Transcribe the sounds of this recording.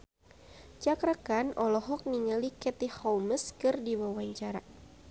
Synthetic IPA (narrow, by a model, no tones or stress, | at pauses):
t͡ʃakɾakanʔɔlɔɦɔk̚niŋəlikɛt̪ihɔlməskɨrdiwawaɲt͡ʃaɾa